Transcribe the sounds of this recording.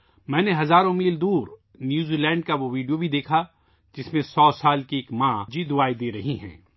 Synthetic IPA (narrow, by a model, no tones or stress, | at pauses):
mɛ̃ːneɦɐzaːɾõmiːld̪uːɾ | njuːziːlɛ̃ːɳɖkaʋoʋiːɖijobʱid̪eːkʰa | d͡ʒɪsmẽsɔːsaːlkieːkmãːd͡ʒid̪ʊaːid̪eːɾɐɦiɦɛ̰̃ː